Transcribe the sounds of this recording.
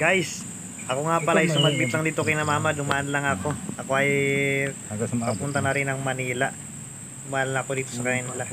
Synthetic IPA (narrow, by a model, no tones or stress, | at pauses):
ɡ̥ajs | ʔɐko̞ŋapɐlajsʊmɐɡ̪̚bɪt̪lɐŋd̪iːt̪okɪnɐmaːmad̪ʊmaʔɐnlɐŋɐko̞ʔɐko̞ʔɐj | pɐpunt̪ɐnɐɾɪnɐŋmɐniːla | d̪ʊmaʔnlaŋɐko̞d̪iːt̪osɐkajɪnɪla